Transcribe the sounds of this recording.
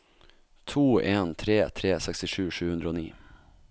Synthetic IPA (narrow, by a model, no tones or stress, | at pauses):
t̪ʰuːeːnt̪ʰɾeːt̪ʰɾeːsɛkst̪ɪʂʉːʂʉ̟ːhɵnd̪ɾəɔoːnḭː